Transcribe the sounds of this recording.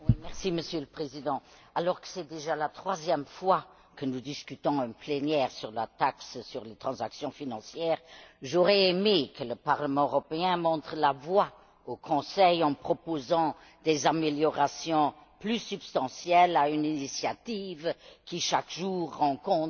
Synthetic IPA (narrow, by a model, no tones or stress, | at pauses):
wimɛʁsiməsjøləpχezid̪ɑ̃ | alɔʁkə̥sɛd̪eʒalat̪χwazjɛmfwa | kənud̪iskyt̪ɔ̃ɛ̃plenjɛːʁsyʁla̰t̪akssyʁlet̪χɑ̃zaksjɔ̃finɑ̃sjɛːʁʒoʁɛemekələpaʁləmɑ̃øʁɔpeɛ̃mɔ̃t̪χəlavwa | okʰɔ̃sɛjɑ̃pχɔpozɑ̃ | d̪ezameljɔʁasjɔ̃ | plysypst̪ɑ̃sjɛlayninisjat̪ivkiʃakʒuːʁːɑ̃kɔ̃t̪